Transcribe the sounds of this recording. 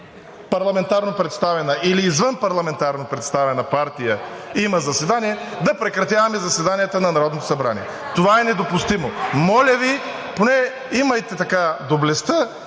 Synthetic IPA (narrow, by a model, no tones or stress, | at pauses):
pɐɾlˠɐmɛnt̪aɾnopɾɛt̪st̪avɛnəʔiliːzvənpɐɾlˠɐmɛnt̪aɾnopɾɛt̪st̪avɛnɐpaɾt̪ijəiməzɐsɛd̪aniɛ | d̪ɐpɾɛkɾɐt̪javɐmɛzɐsɛd̪anijɛt̪ənɐnɐɾɔd̪not̪o̥sɐbɾa̰nḭɛ | t̪ovaɛnɛd̪opust̪imomɔlʲəvi | ponɛ | iməjt̪ɛt̪ɐkad̪oblɛst̪ə